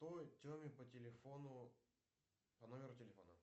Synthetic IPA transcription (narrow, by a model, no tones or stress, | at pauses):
t̪otʲomʲɪpətʲɪlʲɪfonʊ | pɐnomʲɪɾʊtʲɪlʲɪfo̞̰nə